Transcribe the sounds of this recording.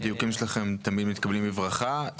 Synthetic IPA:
d̪ijukimʃelaχemt̪amid̪mit̪̚kablimbivʁaχa

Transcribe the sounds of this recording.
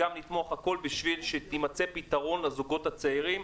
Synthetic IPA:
amnit̪mo̞χhako̞lbiʃvilʃet̪imat͡se̞pit̪aʁo̞nlezuɡo̞t̪hat͡seiʁim

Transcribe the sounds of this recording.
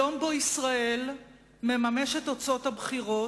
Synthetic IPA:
o̞mboisʁaʔe̞l | me̞mame̞ʃe̞to̞t͡so̞thabχiʁo̞

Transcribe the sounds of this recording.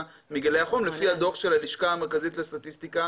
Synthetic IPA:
miɡaleaχomlefihado̞χʃe̞laliʃkaamekazitlast̪at̪ist̪ika

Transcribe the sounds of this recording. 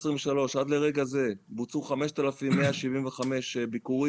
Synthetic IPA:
sʁimveʃalo̞ʃad̪le̞ʁe̞ɡaze̞but͡suχameʃt̪alafimːeaʃivimveχame̞ʃbikuʁi

